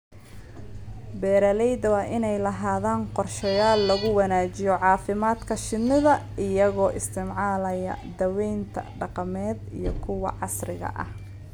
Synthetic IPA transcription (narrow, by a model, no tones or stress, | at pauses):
bɛːɾɐlɛjd̪ɐwɑːʔɪnɛjlɐɦaːðaːnqɔrʃɐjaːlːɐɣʊwɑnaːt͡ʃɪjɔʕɑːfɪmaːd̪kʰɐʃɪnɪðɐ | ɪjɐɣɔːʔɪst̪ʰɪmʕaːlɐjɐ̰d̪ɐwɛjnt̪ʰɐ̰ɖɑqɑmɛːd̪ḭjɞ̰kʰʊwɑ̰ʕɑsrɪɣɐ̰ʔɐ̰h